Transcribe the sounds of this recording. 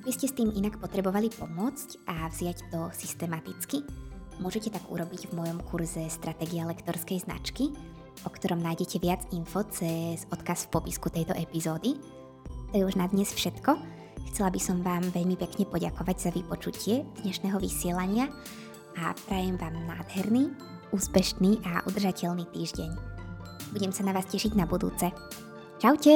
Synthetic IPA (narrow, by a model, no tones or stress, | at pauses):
biscɛst̪iːminakpɔt̪ɾɛbɔʋalipɔmʊɔt͡scʔavz̥ɪact̪ɔsist̪ɛmat̪it͡skimʊɔʒɛcɛt̪aɡṵɾɔbiɟvmɔjɔmkʰuɾzɛst̪ɾat̪ɛɡialɛkt̪ɔɾskɛjzna̰t͡ʃki | ʔɔkt̪ɔɾɔmnaːjɟɛcʰɛʋɪad͡zinfɔt͡sɛzɔt̪kasfpɔpiskut̪ɛjt̪ɔ̰ʔɛpizɔːd̪i | t̪ɔjɛuʒnad̪ɲɛsfʃɛt̪kɔ | xt͡sɛlabisɔmʋaːmʋɛʎmipɛkɲɛpɔɟakɔʋaɟz̥aʋipɔt͡ʃucʰɪɛd̪̥ɲɛʃnɛːɦɔʋḭsɪɛlaɲɪa | apɾajɛmʋaːmnaːd̪ɦɛɾniː | uːspɛʃniːʔaʔṵd̪r̩ʒacɛʎniːt̪iːʒɟɛɲ | buɟɛmsanaʋaːscɛʃiɟnabud̪ṵːt͡sɛ | t͡ʃawcɛ